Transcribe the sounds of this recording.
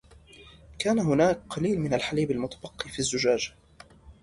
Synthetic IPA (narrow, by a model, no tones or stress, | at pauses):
kaːnaɦʊnaːkqɑliːlmɪnalħaliːbalmʊt̪ḁbɑqːiːfizːʊd͡ʒaːd͡ʒa